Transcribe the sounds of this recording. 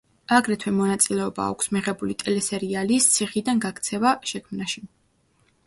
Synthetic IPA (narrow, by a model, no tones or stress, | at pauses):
aɡɾɛt̪ʰwɛmɔnat̪sʼilɛɔba̰ːkʰʷsmiʁɛbulit̪ʼɛlɛsɛɾialist̪sʰiχid̪anɡakʰt̪sʰɛvaʃɛkʰmnaʃi